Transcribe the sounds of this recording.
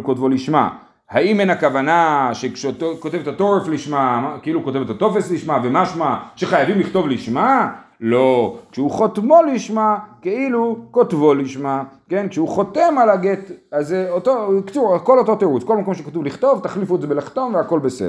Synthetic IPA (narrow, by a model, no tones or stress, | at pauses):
kotvoliʃma̰ | haimenakavanaʃekʃetokot̪e̞vet̪ato̞ʁefliʃmaakeiluko̞t̪evet̪at̪o̞fe̞sliʃmave̞maʃmaʃe̞χajavimliχt̪o̞vliʃma | lo̞kʃeuχotmo̞liʃmake̞ilukotvo̞liʃmake̞nkʃeuχo̞t̪e̞malaɡet̪azeot̪okt͡suʁko̞lot̪o̞teʁut͡skolmako̞mʃekat̪uvliχt̪o̞vt̪aχlifuetzebelaχt̪o̞nveako̞lbe̞sḛ